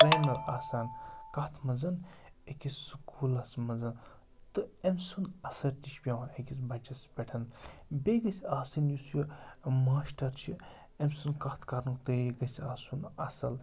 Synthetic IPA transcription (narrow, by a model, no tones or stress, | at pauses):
pɾeːnɐɾaːsaːnkɐt̪ʰmɐzɐn | ekʲissɨkʰuːlɐsmɐzɐn | t̪ɨemsunɐsɐlt̪iʃpʲjɐwɐekʲisbɐt͡ʃɐspʲɐʈʰɐnbʲeɡɐsʲaːsɨnjusjimaːsʈɐɾt͡ʃʰi | emsunkɐt̪ʰkɐɾnukt̪ɨjeɡɐsaːsunɐ̰sɐl